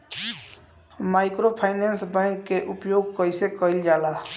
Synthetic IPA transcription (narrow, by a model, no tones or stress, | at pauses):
majkɾopʰaɪnensbɛ̃ŋkːeʔupjoɡ̚kəjsekəild͡ʒala